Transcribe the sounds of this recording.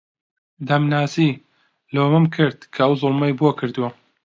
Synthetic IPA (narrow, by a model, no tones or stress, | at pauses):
d̪ɐmnaːsi | loːmɨmkʰɨɾd̪̚kʰɐɐwzʊlˠmɐjbuɐkʰɨɾd̪uwɐ